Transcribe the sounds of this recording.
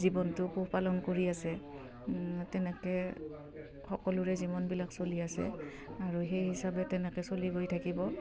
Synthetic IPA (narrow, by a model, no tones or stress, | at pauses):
zibɔntʊpupalɔnkoɹiasɛ | tɛnɛkɛ | xɔkɔlʊɹɛzibɔnbilaksoliasɛ̰ | aɹuxejɦisabɛtɛnɛkɛsoliɡojtʰakibɔ